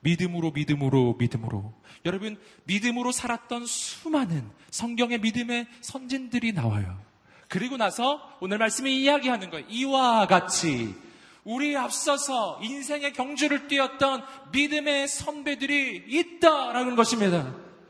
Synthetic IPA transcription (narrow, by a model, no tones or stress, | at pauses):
midɯmɯɾomidɯmɯɾomidɯmɯɾo̰jʌɾʌbɯnmidɯmɯɾosʰaɾat̚t͈ʌnsʰumanɯn | sʰʌŋɡjʌŋe̞midɯme̞sʰʌnd͡ʑindɯɾina̰wa̰jo̰ | kɯɾiɡonasʰʌonɯɭmaɭs͈ɯmiːjaɡiɦanɯnɡʌjiwaɡat͡ɕʰi | uɾiap̚s͈ʌsʰʌinsʰe̞ŋe̞kjʌŋd͡ʑuɾɯɭt͈wiʌt̚t͈ʌnmidɯme̞sʰʌnbe̞dɯɾiːt̚t͈aɾaɡonɡʌɕʰimɲida